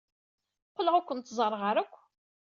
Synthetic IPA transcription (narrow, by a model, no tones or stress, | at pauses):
qːləʁakʷːənt̪zˤərˤːʁəɾækʷː